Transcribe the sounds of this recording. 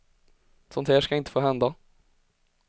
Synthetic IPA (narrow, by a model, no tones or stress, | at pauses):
sɔnt̪hæːʂkaɪnt̪ə̥foːɦɛnd̪a